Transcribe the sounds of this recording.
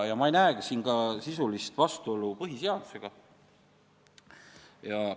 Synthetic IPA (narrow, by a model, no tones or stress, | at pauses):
jɑmɑe̞jnæeɡ̥isiːnɡ̥ɑsisulist̪vɑst̪uo̞lupɤɦiseɑd̪̥u̥se̞ɡ̥ɑ | jɑ